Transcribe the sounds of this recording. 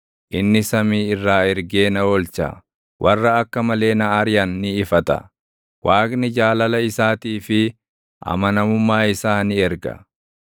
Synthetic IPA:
ʔɪnːɪsɐmiːɪrːaːɛɾɡe̞ːnɐwɔlt͡ʃɐ̰ | wʔɐrːɐːkːɐmɐle̞ːnɐaɾɪjɐnːɪːfɐt̪ɐ̰ | wʔaːknɪd͡ʒaːlɐlɐɪsaːt̪iːfɪ | ʔɐ̰mɐnɐmʊmːaːɪsaːnɪɛɾɡɐ̰

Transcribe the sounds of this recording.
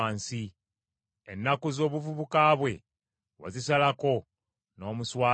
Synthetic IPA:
aːnsi | enːakuzo̞ːβuvuβukaːβwe̞ | wa̰zisalako̞ | no̞ːmuswaː

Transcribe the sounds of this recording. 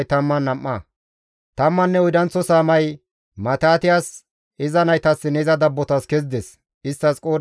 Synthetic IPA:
jt̪ɐmːɐnːɐmːɐ | t̪ɐmːɐnːɛɔjd̪ɐnt͡sːɔsaːmɐj | mɐt̪aːt̪ɪjaːs | ɪzɐnɐjt̪ɐsːɪnɛɪzɐd̪ɐbːɔt̪ɐskɛzd̪ɛs | ɪst̪ːɐskʼoː

